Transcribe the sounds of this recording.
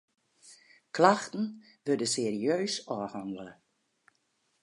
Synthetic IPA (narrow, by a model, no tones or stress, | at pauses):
klaxtən̩ | ʋødəseːriøːsɔːhaŋələ